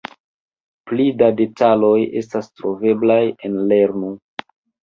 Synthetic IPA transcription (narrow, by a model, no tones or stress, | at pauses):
plidade̞talo̞je̞̰stastɾo̞ve̞blaje̞nle̞ɾnu